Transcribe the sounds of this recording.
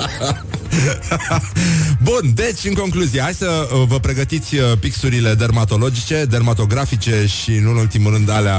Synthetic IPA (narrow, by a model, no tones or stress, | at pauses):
bund̪e̞t͡ʃʲɨŋko̞ŋkluziehajsəvəpɾe̞ɡət̪it̪sʲəpiksuɾile̞d̪ermat̪o̞lo̞d͡ʒit͡ʃe̞d̪ermat̪o̞ɡɾafit͡ʃe̞ʃinɨnult̪imuɾɨnd̪alea